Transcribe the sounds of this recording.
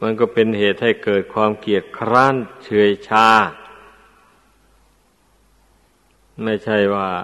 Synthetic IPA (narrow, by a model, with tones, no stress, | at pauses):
ma˧˥nkɔː˧˩pe˧nheː˨˩t̪̚ha˥˩jkɤː˨˩t̪̚kʰwaː˧˥mki˨˩ət̪̚kʰɾaː˧˥˩nt͡ɕʰɯ˧˥əjt͡ɕʰaː˧˩ | ma˥˩jt͡ɕʰa˥˩jwaː˧˩